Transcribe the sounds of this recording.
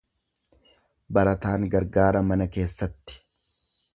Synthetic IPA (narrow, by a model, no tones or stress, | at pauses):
bɐɾɐt̪aːŋɡɐɾɡaːɾɐmɐnɐke̞ːsːɐt̪ːɪ̥